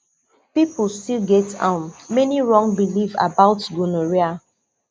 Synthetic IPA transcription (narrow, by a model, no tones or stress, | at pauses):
pipulstilɡɛtã̰nmɛniɹɔ̃ŋbiliva̰baʊtɡunoɹia